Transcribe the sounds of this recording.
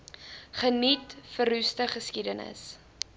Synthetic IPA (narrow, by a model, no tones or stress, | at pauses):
χənitfəɾʉstəχəskidənə̰s